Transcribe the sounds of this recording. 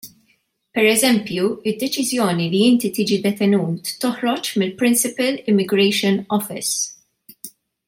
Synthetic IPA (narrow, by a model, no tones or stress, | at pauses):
pɛɾɛzɛmpjuɪd̪ːɛt͡ʃɪzjɔːniliɪnt̪it̪iːd͡ʒid̪ɛt̪ɛnuːt̪ːɔhɾɔt͡ʃmɪlpɾɪnsɪpɐlɪmːɪɡɾɛjʃɔnɔfɪ̰s